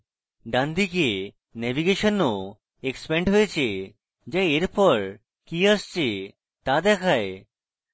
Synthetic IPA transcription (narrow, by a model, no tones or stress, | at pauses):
ɖãnd̪ike | nɛbiɡeʃono | ekspɛɳɖɦoet͡ɕʰe | d͡ʑajeɾpɔɾ | kiəst͡ɕʰe | t̪ad̪ɛkʰae